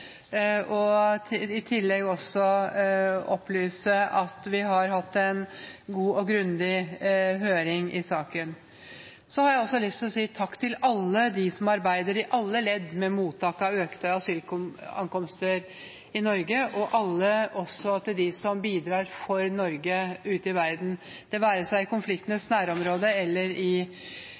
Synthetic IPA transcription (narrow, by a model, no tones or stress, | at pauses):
ɔ | ɪt̪ʰɪlːɛɡɔsɔ | ɔpːlyːsəʔɑt̪ʋɪɦɑɾɦɑt̪ːɛnɡuːɔɡɾʉnd̪ɪɦøːɾɪŋɪsɑːkən | sɔhɑɾjæɪɔsːɔlʏst̪ʰɪlɔsiːt̪ʰɑkːt̪ʰɪlɑlːəd̪ɪsɔmɑɾbæɪd̪əɾɪʔɑlːəlɛd̪ːmɛmuːt̪ʰːɑːkɑøːkt̪əɑsyːlkɑ̰ŋkɔmst̪əɾ | ɪnɔɾɡəʔɔʔɑlːəʔɔsɔt̪ʰɪld̪ɪsɔmbiːd̪ɾɑːɾfɔɾnɔɾɡəʉːt̪əɪʋæɾd̪nd̪̥ɛʋæːɾəsæɪɪkʊnflɪkt̪ənəsnæːɾɔmɾoːd̪əɛlːəɾɪ